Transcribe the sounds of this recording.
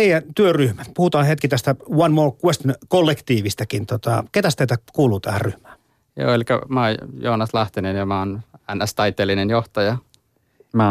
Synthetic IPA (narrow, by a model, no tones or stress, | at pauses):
eijænt̪yøryhmæt̪puhut̪ɑːnhet̪kit̪æst̪æwɑnmoːrkwest̪nkolːekt̪iːʋist̪ækint̪ot̪ɑket̪æst̪eˑit̪ækuːluːt̪æhærryhmæː | jo̰ːelʲkɑ̰mɑˑjoːnɑslɑht̪inenjɑmæˑonænæst̪ɑit̪ːˑeːlinenjoht̪ɑjɑ | mæ